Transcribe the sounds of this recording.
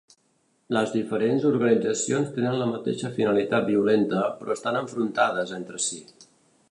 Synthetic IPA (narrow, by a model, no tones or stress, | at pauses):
ləzðifəɾenzuɾɣənid͡zəsionst̪enənləmət̪ḛʃəfinəlit̪at̪̚biulent̪əpɾɔəst̪anəɱfɾunt̪að̞əzent̪ɾəsi